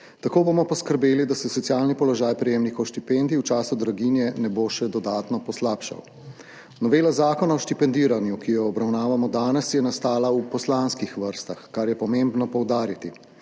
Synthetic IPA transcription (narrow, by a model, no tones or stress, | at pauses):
t̪akoːbomɔpɔskəɾbeːlid̪asɛsɔt̪sijaːlnipɔlɔʒaːjpɾɛjeːmnikɔwʃt̪ipend̪iuwt͡ʃaːsud̪ɾaɡinjɛnɛboːʃɛd̪ɔd̪aːt̪nɔpɔslaːpʃa̰w | nɔʋeːlazaːkɔnaɔʃt̪ipɛnd̪iːɾanjukijɔːbɾawnaːʋamɔd̪aːnɛsjɛnast̪aːlaupɔslaːnskixʋəɾst̪axkaɾjɛpɔmembnɔpɔwd̪aːɾit̪i